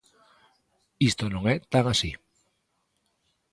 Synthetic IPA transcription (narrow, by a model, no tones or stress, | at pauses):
ist̪onõŋet̪aŋasi